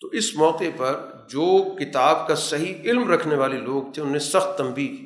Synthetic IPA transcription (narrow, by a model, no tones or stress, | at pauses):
t̪oʔɪsmɔːqepɐɾ | d͡ʒoːkɪt̪aːbkasɐɦiɪlmɾɐkʰneʋaːleloːɡ̚t̪ʰẽʊnmẽsɐxt̪ːɐ̃mbiːki